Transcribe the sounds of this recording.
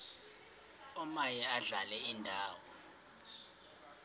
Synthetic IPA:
ɔmajɛaɮalɛindʱaːwɔ

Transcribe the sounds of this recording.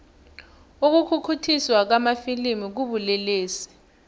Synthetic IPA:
uk̬ukʰukʰutʰiswak̬amafilimik̬uɓuleleːsɛ̥

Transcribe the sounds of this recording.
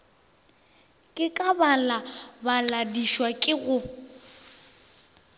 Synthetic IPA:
kʼɪkʼabalabaladiʃwakʼɪɣʊ

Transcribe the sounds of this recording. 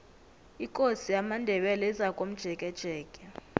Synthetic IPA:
ikʼosijamandʱɛɓɛlɛizakʼom̩d̥ʒ̥ʱɛkʼɛd̥ʒ̥ʱɛːkʼɛ

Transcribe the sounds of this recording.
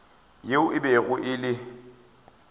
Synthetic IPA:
jeʊʔɪbɛɣʊʔɪlɪ

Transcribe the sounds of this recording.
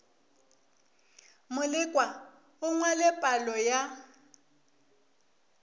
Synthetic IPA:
mʊlɪkʼwa | ʊŋwalɛpʼalɔja

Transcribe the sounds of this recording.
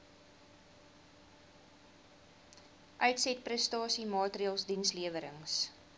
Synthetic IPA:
ʔœɥtsɛt̚prɛstɑːsimɑːtriəːlˠsdinsliəvəɾəŋs

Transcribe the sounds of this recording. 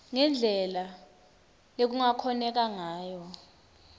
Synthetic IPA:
ŋɛnd͡ɮʱɛla | lek̬uŋakʰɔnɛk̬aŋaːjɔ

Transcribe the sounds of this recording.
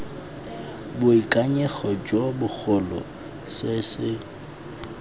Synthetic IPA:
bʊikʼaɲɛχɔd͡ʒwɔbʊk͡xʰʊlɔ̰ | sɪsɪ

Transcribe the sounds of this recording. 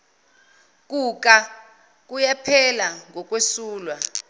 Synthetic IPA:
k̬ʼuk̬ʼa | k̬ʼujɛpʰɛlaŋɡɔk̬ʼwesuːlwa

